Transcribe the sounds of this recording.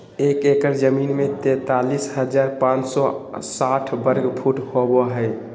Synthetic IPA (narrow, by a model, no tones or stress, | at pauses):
ekekəɾd͡ʒəminmet̪ɛ̃t̪alisɦəd͡ʒaɾpãt͡ʃsɔsaʈʰbəɾɡpʰuʈhoboɦəj